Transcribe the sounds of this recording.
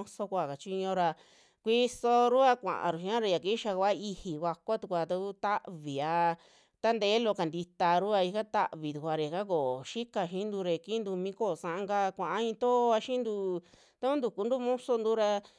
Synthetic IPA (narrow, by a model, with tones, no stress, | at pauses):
so˧kʷa˧˨ka˨t͡ʃi˧ɲõ˧ɾa˧ | kʷi˦so˧ɾu˦a˧kʷã̰˨ʔã̰˨ɾu˨ʃĩ˧ã˦ɾa˧ja˨ki˦ʃa˧ka˦i˧hi˨ka˧kʷa˦t̪u˧kʷa˧t̪a˧ku˦t̪a˦ʔβi˨a˧ | t̪a˦nd̪eː˨˦lo˧ka˨nd̪i˧t̪a˧ɾu˦a˧i˧ka˦t̪a̰˦˧ʔβi˨t̪u˨kʷa˧ɾe˨ka˦k̬o˨ʃi˦ka˧ʃĩ˦nd̪u˧ɾe˧ki˦nd̪u˧mĩ˧˦ko˦˨sã˧ʔa˧ŋɡa˧kʷã˨ʔa˦ĩ˧t̪o˦˧a˧ʃĩ˦nd̪u˧ | t̪a˧˦ku˦nd̪u˧˨ku˧nd̪u˦˧mõ˦so˧nd̪u˦ɾa˧